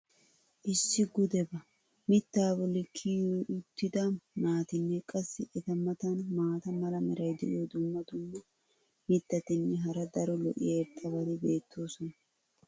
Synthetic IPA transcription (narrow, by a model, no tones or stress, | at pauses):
ʔɪsːɪɡʊd̪ɛbɐ | mɪt̪ːaːbɔlɪkʰːijɔʊt̪ːɪd̪ɐnaːt̪ɪnːɛkʼɐsːɪʔɛt̪ɐmɐt̪ɐnmaːt̪ɐmɐlɐmɛɾɐjd̪ɛʔod̪ʊmːɐd̪ʊmːɐ | mɪt̪ːɐt̪ɪnːɛɦɐɾɐd̪ɐɾɔlɔ̰ʔɪ̰jɐɛt̪ʼːɐbɐd̪ɪbe̞ːt̪ʰːo̞ːsɔnɐ